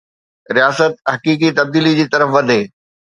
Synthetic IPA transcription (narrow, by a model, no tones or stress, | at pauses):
ɾijaːsət̪̚ɦɐkiːk̬it̪ɐb̚d̪iːlid͡ʑiːt̪ɐɾəfʋɐd̪ʱeː